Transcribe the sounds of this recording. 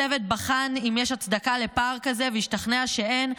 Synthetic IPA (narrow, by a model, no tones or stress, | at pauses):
evet̪̚baχanimjeʃat͡sd̪akale̞paʁkaze̞veiʃtaχneaʃee̞n